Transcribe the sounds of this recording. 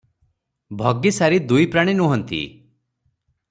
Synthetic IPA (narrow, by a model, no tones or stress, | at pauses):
bʱɔɡisaɾid̪ujpɾaɽ̃inuɦɔnt̪ḭ